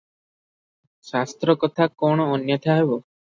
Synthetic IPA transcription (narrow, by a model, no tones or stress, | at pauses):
sast̪ɾɔkɔt̪ʰakɔɽ̃ɔːnjɔt̪ʰaɦebɔ